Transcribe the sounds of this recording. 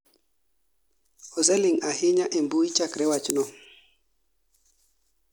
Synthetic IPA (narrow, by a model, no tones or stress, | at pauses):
ɔzɛlɪŋahɪɲaʔembuit͡ʃakɾɛwat͡ʃnɔ